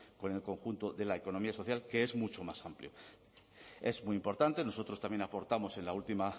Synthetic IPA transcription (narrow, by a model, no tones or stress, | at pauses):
ko̞ne̞lko̞ŋxunt̪oðe̞laeko̞no̞miaso̞θjalke̞ezmut͡ʃo̞masampljo | e̞zmwijimpo̞ɾt̪ant̪e̞no̞so̞t̪ɾo̞st̪amje̞napo̞ɾt̪amo̞se̞nlault̪ima